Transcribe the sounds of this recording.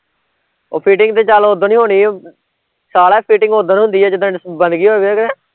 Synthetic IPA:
oːpʰiːʈɪŋɡt̪eːt͡ʃaːloːoːd̪õːnĩːɦoːniː | saːlaːpʰiːʈɪ̃ŋɡoːd̪õːnĩːɦʊ̃nd̪iːɛːd͡ʒɪd̪õbə̃nd̪ɡiːɦoːeʋeːkɾɛː

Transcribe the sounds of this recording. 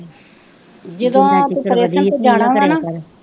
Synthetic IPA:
d͡ʒəd̪õːt̪ːəɾeːʃənt̪eːd͡ʒaːɽ̃ãːaːnaː

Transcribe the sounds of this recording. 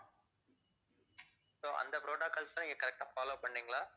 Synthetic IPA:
soːʔɐ̰nd̪ɐpɾoːɖaːkɐlsãːɪŋɡekɐɾɛk̚ʈaːfaːloːpɐɳːiːŋɡɐɭaː

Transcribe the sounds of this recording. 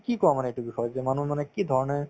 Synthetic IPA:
kikɔamaneeʈubixɔjzemanumanekid̪ʱɔɹɔneɹ

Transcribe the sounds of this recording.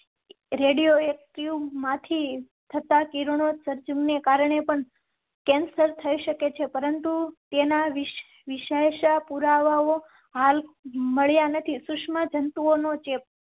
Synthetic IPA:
ɾeɽijoek̚ʈjumãt̪ʰi | t̪ʰət̪akiɾoɳ̃osəɾd͡ʒumnekaɾɳepəɳ | kɛnsəɾt̪ʰəiʃəket͡ʃʰepəɾənt̪ut̪enaʋ | ʋɪʃeʃapuɾaʋao | ɦalməɭjanət̪ʰisʊʂmad͡ʒənt̪uonot͡ʃep̚

